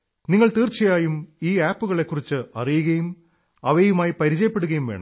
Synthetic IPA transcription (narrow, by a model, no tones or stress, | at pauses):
niŋːɐɭt̪iːrt͡ɕɐjaːjumiːaːpːuɣɐɭe̞kːurit͡ɕːɨɐrijuɣɐjum | ɐʋɐjumaːjipɐɾit͡ɕɐjɐpːe̞ɽuɣɐjumʋe̞ːɳɐ̰m